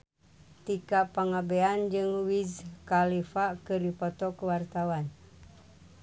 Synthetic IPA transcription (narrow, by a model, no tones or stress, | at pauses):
t̪ikapaŋabɛand͡ʒɨŋwizkalifakɨrdipɔt̪ɔkuwart̪awan